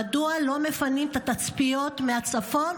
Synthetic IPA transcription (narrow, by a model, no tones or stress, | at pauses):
dualo̞me̞fanimt̪at̪at͡spijo̞t̪meat͡safo̞n